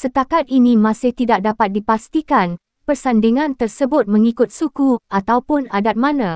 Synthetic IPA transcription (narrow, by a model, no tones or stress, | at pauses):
sət̪akat̪̚inĩmãsɪht̪idak̚dapat̪̚dipast̪ikan | pərsandiŋãnt̪ərsəbʊt̪̚mə̃ŋikʊt̪̚sukuat̪awpʊnadat̪̚mãnã